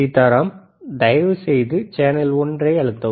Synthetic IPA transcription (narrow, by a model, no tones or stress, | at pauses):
it̪ɐɾɐm | d̪ɐjʋɯsɛjðɯt͡ʃeːnɐlɔndrɐɪɐɻɯt̪ːɐ